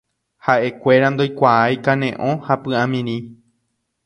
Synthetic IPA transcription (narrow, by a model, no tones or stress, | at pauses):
haʔe̞kʷe̞ɾand̪o̞jkʷaajkãnẽʔõ̞hapɨãmĩɾĩ